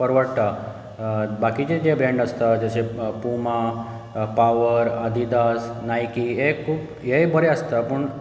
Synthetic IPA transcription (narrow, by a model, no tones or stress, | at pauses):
pəɾʋəɾt̪a | bakit͡ɕet̪ebɾẽɳɖəst̪ad͡ʑasepuma | paʋəɾəd̪ʱid̪asnajkijekʰuːp | jebʱəɾeəst̪apəɳ